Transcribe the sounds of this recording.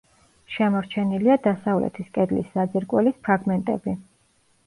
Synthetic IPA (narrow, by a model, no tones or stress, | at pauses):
ʃɛmɔɾt͡ʃʰɛniliad̪asavlɛ̰t̪ʰiskʼɛd̪lḭszad̪ziɾkʼwɛlispʰɾaɡmɛnt̪ʼɛ̰bi